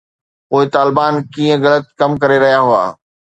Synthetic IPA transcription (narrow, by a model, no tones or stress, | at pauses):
poːɪt̪aːlɪbaːnkĩːə̃ɣɐlət̪̚kɐmkɐɾeɾɐɦijaɦʊa̰ː